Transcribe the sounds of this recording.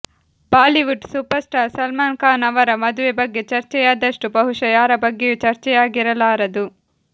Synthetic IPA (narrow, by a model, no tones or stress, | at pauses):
paːliʋuʈsuːpɐɾsʈaːɾsɐlmaːnkaːnɐʋɐɾɐmɐd̪uʋebɐɡːe̞t͡ʃɐɾt͡ʃɛjaːd̪ɐʂʈubɐɦuʂɐjaːɾɐbɐɡːejut͡ʃɐɾt͡ʃɛjaːɡiɾɐlaːɾɐd̪u